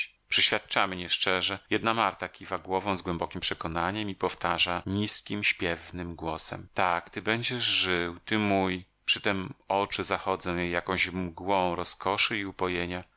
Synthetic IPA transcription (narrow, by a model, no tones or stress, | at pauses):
pʂɛɕfʲjat̪̚t͡ʂamɘɲɛʂt͡ʂɛʐɛjɛd̪̚namaɾt̪akʲivaɡwɔvɔ̃w̃zɡwɛmbɔkʲimpʂɛkɔnaɲɛmipɔft̪aʐaɲiskʲimɕpʲjɛvnɘmɡwɔsɛ̰mt̪akt̪ɘbɛɲd͡ʑɛʐʐɘwt̪ɘmuj | pʂɘt̪ɛmɔt͡ʂɘzaxɔd̪zɛ̃jejakɔ̃w̃ʑmɡwɔ̃w̃ɾɔskɔʂɘiupɔjeɲa